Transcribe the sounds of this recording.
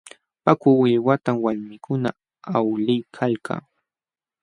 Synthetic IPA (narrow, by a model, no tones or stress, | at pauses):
pakʊwɪwat̪amwaɾmɪkʊna | awlɪjkʰalkʰa̰ː